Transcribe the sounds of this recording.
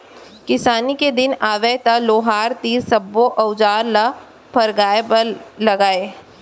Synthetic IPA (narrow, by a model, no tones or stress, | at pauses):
kɪsaːniked̪ɪnaːʋɛt̪aloːɦaːɾt̪iːɾsɐbːoʔɐʊd͡ʒaːɾla | pʰɐɾɡaːepəlɐɡaːeː